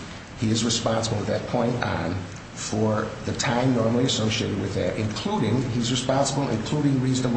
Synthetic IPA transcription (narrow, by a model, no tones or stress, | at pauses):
hiɨzɹɨspɑ̃nsəbl̩ˠət̪̚ðɨt̚pʰɔ̃ɪ̃ntn̩ | fə˞ðɨtʰãɪ̃mnɔɹml̩ˠiɨsoʊʃieɪɾɨd̚wɨðɨɾɨ̃nkʰl̥uɾɪ̃ŋizɹɨspɑ̃nsəbl̩ˠɨ̰̃nkʰl̥uɾɪ̃ŋɹiznʌv